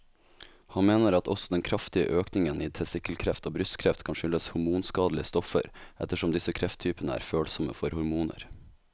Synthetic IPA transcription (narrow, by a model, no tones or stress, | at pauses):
hɑnmeːnəɾɑt̪ʰɔ̰sɔd̪ɛnkʰɾɑft̪ɪə̰ʔøːknɪŋəniːt̪ʰɛsɪkəlkʰɾɛft̪oːbɾʉst̪kʰɾɛft̪kʰɑnʃʏlːəshʊɾmuːnskɑːd̪l̩ɪəst̪ɔfə̰ɾʔɛt̪əʂɔmd̪ɪsəkʰɾɛft̪ʰːyːpənəæ̰ːɾføːlsɔmə̰fɔɾhʊɾmuːnə̰ɾ